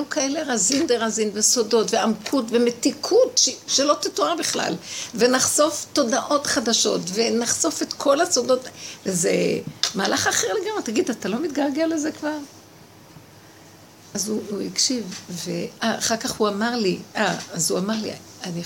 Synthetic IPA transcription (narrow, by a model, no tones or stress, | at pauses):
jukaeleʁazindeʁazinvesodo̞tveamkʰutve̞metikʰutʃeʃelo̞t̪ituabiχla̰lve̞naχso̞fto̞daʔo̞tχadaʃo̞tvenaχso̞fe̞t̪kʰo̞lasodo̞tvezḛmalaχaχeʁleɡamʁet̪aɡidatalo̞mit̪ɡaʁɡelezekvaʁ | azuuikʃivveaaχaʁkaχhuamaʁliʔaazuamaʁlḭ | ani